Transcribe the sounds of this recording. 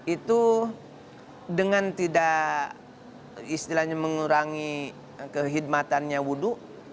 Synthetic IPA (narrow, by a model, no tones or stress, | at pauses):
it̪u | dəŋant̪ida | ist̪ilahɲaməŋuɾaŋi | kəɦid̚mat̪anɲawuduʔ